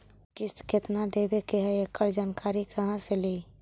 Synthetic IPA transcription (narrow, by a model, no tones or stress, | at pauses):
kist̪kʰet̪nad̪ebekeɦəekəɾd͡ʒaːnkaɾikʰəɦãsele